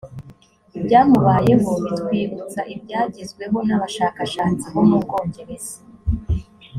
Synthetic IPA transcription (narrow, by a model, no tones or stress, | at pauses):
ibɟaːmuβaːje̞ɦokwiːβut͡saʔib̚ɟaːɟizɡwe̞βo̞naβaʃakaʃaːt͡siβonub̚ɡo̞ːɲɟe̞ɾeze̥